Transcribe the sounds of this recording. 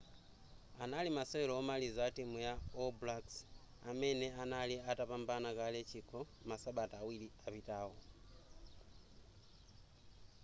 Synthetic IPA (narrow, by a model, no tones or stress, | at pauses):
analimaseβeloomalizatimujaoblaks | ameneanaliatapambanakalet͡ʃʰikʰo | masaɓatawiliaβitaho